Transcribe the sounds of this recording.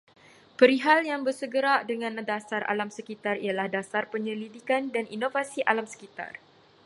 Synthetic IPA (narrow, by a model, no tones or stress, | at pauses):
pəɾiɦaljaŋbərsəɡəɾaʔdəŋãndasarʔa̰lamsəkit̪arḭalahdasarpəɲəlidikandanʔinovasiʔalamsə̥kit̪a̰r